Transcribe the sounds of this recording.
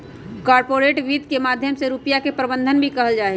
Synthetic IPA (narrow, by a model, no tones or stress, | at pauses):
kaːɾpoːɾeːʈʋiːd̪kemaːd̪ʱjəmseɾupjakepɾəbə̃nd̪ʱənbʱikɐɦəld͡ʒaːe